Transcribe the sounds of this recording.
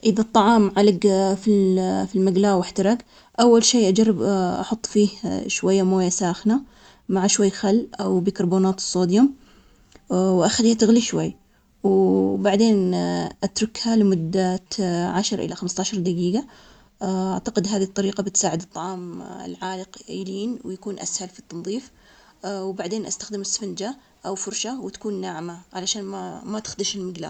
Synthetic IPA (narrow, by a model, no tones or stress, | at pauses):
ʔɪðat̪ˤːɑʕɑːmʕalɪɡfilfilmaɡlaːwɪħt̪ɑɾˤɑɡ | ʔawːalʃeːʔad͡ʒarˤːɪbʔɑħʊt̪ˤːfiːhʃwajːamoːjasaːxna | maʕaʃwajːxalːʔawbikɑɾˤboːnaːt̪ɨ̥sˤːoːd̪jʊm | wʔaxaliːhat̪ɪɣliʃwajː | wbaʕd̪eːnʔat̪ɾʊkhalɪmʊd̪ːat̪ʕaʃɾˤʔɪ̰laxamst̪aːʃɑɾˤd̪aɡiːɡa | ʔaʕt̪aqɪd̪ɦaːðit̪ˤːɑɾiːqɑbɪt̪saːʕɪd̪ɨt̪ˤːɑʕɑːmɪ̰lʕaːlɪqːɾiːnwɪjakuːnʔa̰shalfit̪ːɑnðˤiːf | wbaʕd̪eːnʔast̪ḁxd̪ɪmɪsːfɪnd͡ʒa | ʔawfʊɾˤʃawɪt̪ḁkuːnːaːʕmaʕalaʃaːnmamat̪ɪ̥xd̪ɪʃɪlmɪɡla̰ː